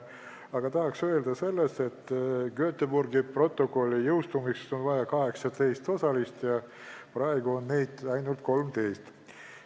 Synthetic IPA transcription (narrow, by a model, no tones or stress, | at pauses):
ɑɡ̥ɑt̪ɑɦɑksø̞e̞ld̪ɑse̞lːest̪e̞t̪ːkøøt̪ːeburɡipro̞t̪ːˑo̞kˑo̞lʲːijɤwst̪umikso̞nvɑjɑkɑɦe̞ksɑt̪e̞jst̪o̞sɑlist̪jɑ | prɑe̞ɡuonːejd̪̥ɑjnult̪̚ko̞lmt̪e̞jst̪